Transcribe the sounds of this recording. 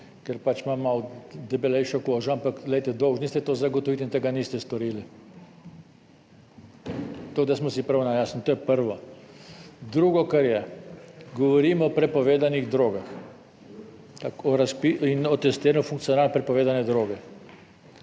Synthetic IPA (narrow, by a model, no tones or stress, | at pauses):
kɛɾpat͡ʃmamːawd̪ɛbɛlɛjʃɔkoːʒɔampaklɛjt̪ɛd̪ɔwʒniːst̪ɛt̪oːzaɡɔt̪ɔʋit̪int̪eɡaniːst̪ɛst̪ɔɾiːli | t̪oɡd̪asmɔsipɾanajaːsnit̪oːjɛpəɾʋɔ | d̪ɾuːɡɔkaɾjɛ | ɡɔʋɔɾiːmɔːpɾɛpɔʋeːd̪aniɣd̪ɾoːɡax | t̪akɔɾaspiinɔt̪ɛst̪iːɾnɔfuŋkt̪sijɔnaːlnɛpɾɛpɔʋeːd̪anɛd̪ɾoːɡɛ